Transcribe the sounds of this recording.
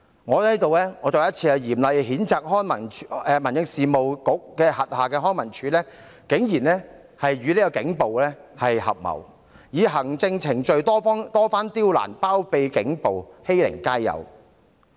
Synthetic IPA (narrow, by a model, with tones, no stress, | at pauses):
ŋɔː˨˧hɐ˨˥jt̪o˨wlɛː˥ŋɔː˨˧t͡sɔː˨˧jɐ˥t̚t͡sʰiː˧ɐ˨jiː˨˩mlɐ˨jɦiː˨˥nt͡saː˨k̚hɔː˥nmɐ˨˩nɛ˧mɐ˨˩njɪ˧ŋsiː˨mo˨wkʊ˨˥k̚kɛː˧hɐ˨t̚haː˨˩kɛː˧ɦɔː˥nmɐ˨˩nt͡ʃʰyː˨˥lɛː˥ | kɪ˨˥ŋjiː˨˩nlɛː˥ | hɐ˨jɥyː˨˧leː˥kɔ˧kɪ˨˥ŋpo˨wlɛː˥hɐ˨jhɐ̰˨p̚mɐ̰˨˩w | jiː˨˧ɦɐ˨˩ŋt͡sɪ˧ŋt͡sʰɪ˨˩ŋt͡ʃɵ˨ɥt̪ɔː˥fɔ˥ŋt̪ɔː˥faː˥nt̪iː˥wla̰ː˨˩npaː˥wpe˧jkɪ˨˥ŋpo˨whe˥jlɪ̰˨˩ŋkaː˥jːɐ̰˨˧w